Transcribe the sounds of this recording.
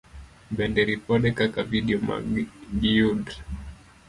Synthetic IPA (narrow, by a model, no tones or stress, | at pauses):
bɛndɛɾipɔɗɛkakaviɗiɔma̰ɡiud